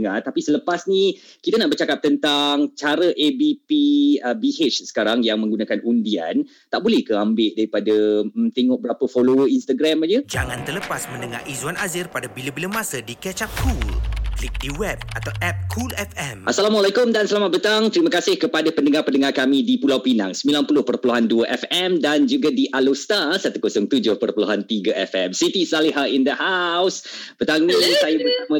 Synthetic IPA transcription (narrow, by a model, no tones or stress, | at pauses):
ŋat̪apisələpasni | kit̪anaʔbərt͡ʃakap̚t̪ənt̪aŋt͡ʃaɾəʔebipiəbiɦet͡ʃsə̥kaɾaŋjaŋmə̃ŋɡunakanʔundia̰n | t̪aʔbolɛhkəambɪʔdaɾipadət̪eŋɔʔbəɾapəfolowəinst̪aɡɾɛmad͡ʒəd͡ʒaŋãnt̪ərləpasmə̃ndəŋa̰izwanazɪrpadabilabilamasədikɛt͡ʃakʰulklik̚diwɛb̚at̪awʔɛp̚kʰulɛfɛmʔasalamwalakʊmdansəlamat̪̚bət̪aŋt̪əɾiməkasɪhkəpadapəndəŋarpəndəŋarkamĩdipulawpina̰ŋsəmilanpulʊhpərpəluɦanduəʔɛfɛmdand͡ʒuɡadiʔalost̪asat̪ukosʊŋt̪ud͡ʒʊhpərpəluɦant̪iɡəʔɛfɛmsit̪isaliɦaind̪əhawsb̥ət̪aŋnisajəbəsamə̃